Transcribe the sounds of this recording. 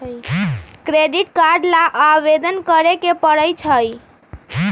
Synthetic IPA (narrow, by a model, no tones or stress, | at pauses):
kɾeɖiʈkaɾɖlaʔaʋed̪ənkəɾekepəɽəjt͡ʃʰəj